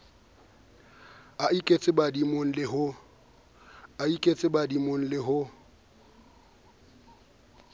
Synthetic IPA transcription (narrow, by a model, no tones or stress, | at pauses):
aikʼet͡sʼɪbadimoŋ̩lɪɦʊ | aikʼet͡sʼɪbadimoŋ̩lɪɦʊ